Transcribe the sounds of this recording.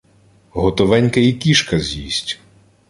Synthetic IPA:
ɦɔt̪ɔʋɛnʲkɐikʲiʃkɐzʲjḭsʲtʲ

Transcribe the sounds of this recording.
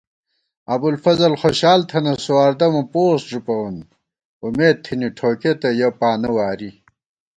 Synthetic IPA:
ɐbulfɐzɐlxoɕaːlt̪ʰɐnɐsuaːɾd̪ɐmɐpoːsʐupɐwun | umeːd̪̚t̪ʰːiniʈʰoːket̪ɐjɐpaːnɐwaːɾi

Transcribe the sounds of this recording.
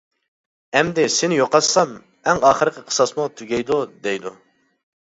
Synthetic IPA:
ɛmd̪ɪsɪnɪjoqɑsɑm | æŋɑːχəɾqʲəqʰə̥sɑsmut̪ʰyɡʲɛjd̪ud̪ɛjd̪ṵ

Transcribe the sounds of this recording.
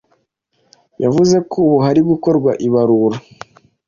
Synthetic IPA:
javuze̞kʰuβuɦaɾibɡuko̞ɾɡwaʔiβaɾuɾa

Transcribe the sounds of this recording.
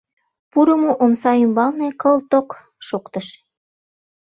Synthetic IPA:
puɾəmoʔomsɑymbɑlnekəlt̪ok | ʃokt̪əʃ

